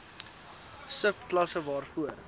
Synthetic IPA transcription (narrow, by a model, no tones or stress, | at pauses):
səpklɐsəvɑːrfuər